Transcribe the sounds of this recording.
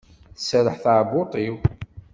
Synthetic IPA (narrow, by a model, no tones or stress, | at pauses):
θəsəɾəħθaʕbot̪ˤiw